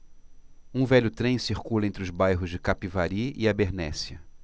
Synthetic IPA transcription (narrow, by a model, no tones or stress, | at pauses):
ũvɛʎʊt̪ɾẽj̃siɾkulɐẽnt̪ɾɪʊzbajɦʊzd͡ʒɪkapivaɾiɪabeɾnɛsiɐ